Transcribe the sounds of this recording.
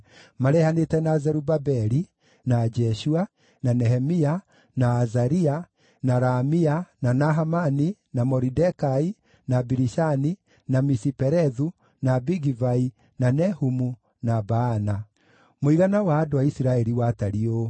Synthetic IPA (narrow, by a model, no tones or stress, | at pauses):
maɾɛhanetɛnazɛɾubabɛɾi | nad͡ʒɛʃua | nanɛhɛmia | naːzaɾia | naɾamiananaɦamaninamɔɾidɛkai | nabiɾiʃani | namisipɛɾɛðu | nabiɡivai | nanɛhumu | nabaːna | moiɾanawaːdowaisiɾaɛɾiwataɾio